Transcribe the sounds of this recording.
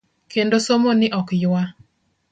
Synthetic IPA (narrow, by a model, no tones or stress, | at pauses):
kendosomonɪʔɔkjwa